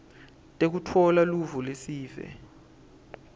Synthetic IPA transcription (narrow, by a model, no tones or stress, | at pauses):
tʼek̬utʰɔlaluvulesiːvɛ̰